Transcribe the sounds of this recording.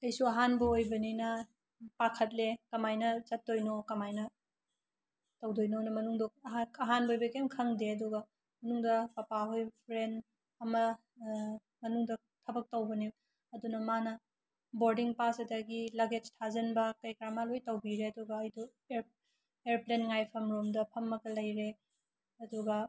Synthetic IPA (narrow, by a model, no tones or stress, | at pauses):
ɐjsuɐɦanbɐojbɐninɐ | pakʰɐt̬̚lekɐmajnɐzɐt̚dojnokɐmajnɐ | tɐwdojnonɐmɐnuŋdoɐɦanbɐojbɐkemkʰɐŋdeɐdɔɡɐ | mɐnuŋdɐpɐpaɦojpʰɾen | ɐmɐ | mɐnuŋdɐ | tʰɐbɐk̚tɐwbɐni | ɐdunɐmanɐ | boɾdiŋpasɐdɐɡilɐɡed͡ʒtʰazɐnbɐkɐjkɾamalojtɐwbiɾeɐduɡɐɐjdo | eɾ | eɾplenŋajpʰɐmɾomdɐpʰɐmːɐɡɐlɐjɾe | ɐduɡɐ